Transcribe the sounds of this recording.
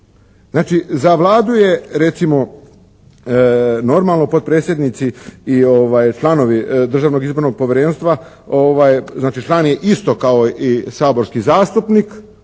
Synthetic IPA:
znaːt͡ʃizaʋlˠaːd̪uje̞ɾe̞t̪simo̞ | no̞ɾmalˠno̞po̞d̪̚pɾe̞ːt̪sʲje̞d̪nit̪siio̞ʋaːjt͡ʃlˠano̞ʋid̪r̩ʒaːʋno̞ɡizbo̞ɾno̞ɡ̚poʋjeɾenst̪ʋa | oʋajznaːt͡ʃit͡ʃlˠaːnjeʔist̪okaoisaːbo̞ɾskizaːst̪upnik

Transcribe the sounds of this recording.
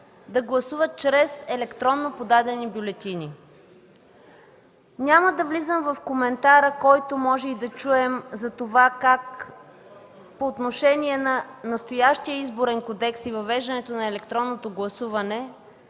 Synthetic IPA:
d̪ɐɡlˠɐsuvət̪̚t͡ʃɾɛsɛlɛkt̪ɾɔnːopod̪ad̪ɛnibjulɛt̪ʲini | nʲaməd̪ɐvlizəmvɐfkomɛnt̪aɾəkɔjt̪omɔʒɛid̪ɐt͡ʃuɛmzɐt̪ovakak | poːt̪noʃɛnʲiɛnɐnɐst̪ojaʃt̪iəizboɾɛnkod̪ɛksivɐvɛʒd̪ɐnɛt̪onɐɛlɛkt̪ɾɔnːot̪oɡlˠɐsuvɐnɛ

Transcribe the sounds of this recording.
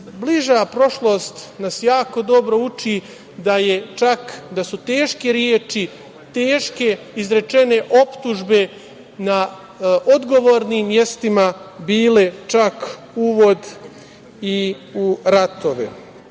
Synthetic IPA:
bliʒapɾo̞ʃlˠo̞ːst̪nasjaːko̞d̪o̞bɾo̞ut͡ʃi | d̪aje̞t͡ʃakd̪asut̪e̞ːʃke̞ɾjeːt͡ʃi | t̪eːʃke̞ | izɾe̞t͡ʃe̞ne̞ʔopt̪uʒbe̞ | na | ʔod̪ɡo̞ʋoːɾniːmːje̞st̪imabiːle̞t͡ʃak | uʋo̞d̪ | i | uɾat̪o̞ʋḛ

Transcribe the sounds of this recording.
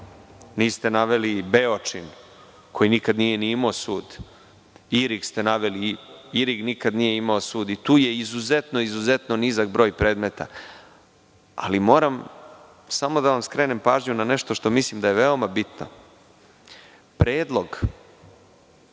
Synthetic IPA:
niːst̪enaʋelibeot͡ʂin | kʰo̞jinikad̪nije̞niimaosuːd̪ | iɾikst̪e̞naʋeliiɾiɡnikad̪nijeimaosuːd̪it̪uːjeizuzet̪no̞izuze̞t̪nonizakbɾo̞ːjpɾe̞ːd̪met̪ʰa̰ | a̰limoːɾam | samo̞d̪aʋamskɾe̞ːnempaːʒɲunane̞ʃt̪o̞ʃt̪o̞mislimd̪ajeʋe̞o̞mabit̪no̰ | pɾeːd̪lˠo̞ɡ

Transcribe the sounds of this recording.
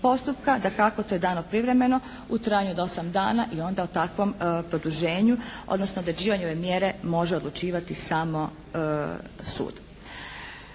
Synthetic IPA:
po̞st̪upkad̪akakot̪o̞jed̪aːnopɾiʋɾe̞me̞no̞ | ut̪ɾaːjaɲuod̪o̞samd̪a̰ːnaʔio̞nd̪aut̪akʋo̞mpɾo̞d̪uʒe̞ːɲuo̰d̪nosnood̪ɾd͡ʑiːʋaɲeo̞ʋe̞mjeɾe̞mo̞ʒeod̪lˠut͡ʃiːʋat̪isamo̞ | sṵːd̪̥

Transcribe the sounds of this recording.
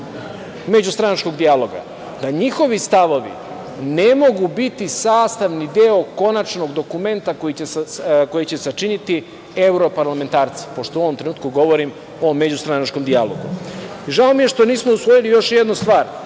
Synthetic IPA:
me̞d͡ʑust̪ɾanat͡ʃko̞ɡd̪ijalˠo̞ɡa̰ | d̪aɲixo̞ʋist̪aʋo̞ʋḭ | nemo̞ɡubit̪isaːst̪aʋnid̪eo̞ko̞nat͡ʃno̞ɡd̪o̞kume̞nt̪ako̞jit͡ɕeko̞jit͡ɕe̞sat͡ʃinit̪i | e̞wɾo̞paɾlame̞nt̪aːɾt̪si̥po̞ʃt̪ouo̞ʋomt̪ɾeuːt̪̚kuɡo̞ʋo̞ɾim | o̞med͡ʑust̪ɾanat͡ʃko̞md̪ialo̞̰ɡṵʒaomije̞ʃt̪o̞niːsmo̞usʋo̞jilijo̞ʃjed̪nust̪ʋaːɾ

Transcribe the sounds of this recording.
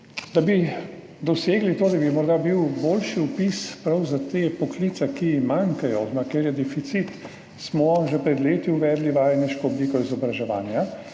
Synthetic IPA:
d̪abi | d̪ɔseːɡlit̪oːd̪abimɔɾd̪abiwboːlʃiupispɾawzat̪eːpɔkliːt̪sɛkimaŋkajɔzmakeɾjɛd̪ɛfit̪sit̪ | smɔʒɛpɾɛd̪leːt̪iuʋɛːd̪liʋajnɛʃkɔɔbliːkɔizɔbɾaʒɛʋa̰ːnja

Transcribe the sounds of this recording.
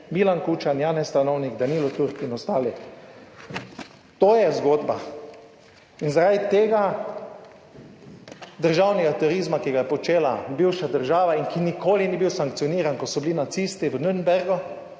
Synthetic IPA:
milankut͡ʃanjanɛsst̪anɔwnikd̪aniːlɔt̪uɾkinɔst̪aːli | t̪oːjɛzɡoːd̪ba | inzaɾad̪it̪eːɡa | d̪əɾʒawnɛɡat̪uɾizmakiɡajɛpɔt͡ʃeːlabiwʃad̪əɾʒaːʋainkinikoːliniːbiwsaŋk̚t̪sijɔniːɾankɔsɔbilinat̪siːst̪iʋənuɾnbɛɾɡɔ

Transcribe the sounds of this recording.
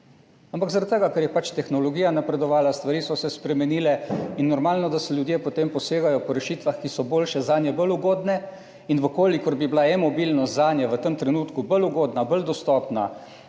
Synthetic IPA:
ampakzaɾat̪̚t̪əɡakɛɾjɛpat͡ʃt̪ɛxnɔlɔɡiːjanapɾɛd̪ɔʋaːlast̪ʋaɾiːsɔsɛspɾɛmɛniːlɛinːɔɾmaːlnɔd̪asɛljud̪jepɔt̪empɔseːɡajɔpɔɾɛʃiːt̪ʋaxkisɔboːlʃɛzaːnjɛbəluɡoːd̪nɛ | inʋəkoːlikɔɾbiblaɛmɔbilnɔst̪zaːnjɛʋət̪əmt̪ɾɛnuːt̪kubəluɡoːd̪nabəld̪ɔst̪ɔːpna̰

